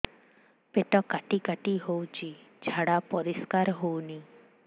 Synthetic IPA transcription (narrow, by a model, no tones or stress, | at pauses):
peʈɔkaʈikaʈiɦowt͡ʃʰi | d͡ʒʱaɽapɔɾiskaɾɦowni